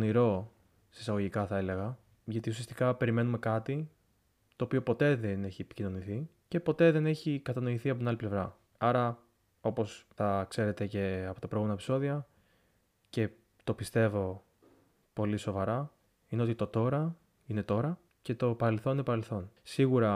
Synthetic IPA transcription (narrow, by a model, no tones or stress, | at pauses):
oniɾo̞ | seisɐɣo̞ʝikɐθɐe̞le̞ɣɐ | ʝɐt̪ius̬iɐst̪ikɐpe̞ɾime̞nume̞kɐt̪i | t̪o̞ːpio̞po̞t̪e̞ðene̞çiepi̥cino̞niθice̞po̞t̪e̞ðe̞ne̞çikɐt̪ɐno̞iθiɐpot̪inɐliple̞vɾɐ | ɐɾɐ | o̞po̞stɐkse̞ɾe̞t̪e̞ce̞ɐpo̞t̪ɐpɾoɣume̞nɐepiso̞ðiɐ | ce̞ | t̪o̞pist̪e̞vo̞ | po̞liso̞vɐɾɐ | ine̞o̞t̪it̪o̞t̪o̞ɾɐ | ine̞t̪o̞ɾɐ | ce̞t̪o̞pɐɾe̞lθo̞ninepɐɾe̞lθo̞nsiɣuɾɐ